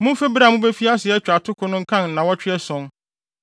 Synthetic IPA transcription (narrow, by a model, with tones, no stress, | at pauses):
mʊ̃˦fe˦ba˨mʊ̃˦be˦fi˦a˦sɪ˨ɛ˦t͡ɕᶣa˨tʰʊ˦kʰʊ˦nʊ̃˦ŋ̩˦kʰã˦n˨nã˨wɔ˦t͡ɕᶣʰɪ˦ɛ˦sʊ̃˦n